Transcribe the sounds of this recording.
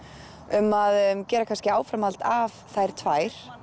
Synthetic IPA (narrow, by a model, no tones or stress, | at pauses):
ʏmaðcɛːɾakʰanscɪaːwfɾamalt̪avθajɾ̥t̪ʰvaːjɾ̥